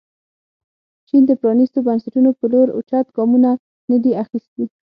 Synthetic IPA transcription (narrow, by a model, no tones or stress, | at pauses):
t͡ʃind̪əpɾɑnist̪obansaʈunopəloɾo̰t͡ʃɑt̪ɡɑmuna | nəd̪iaxist̪i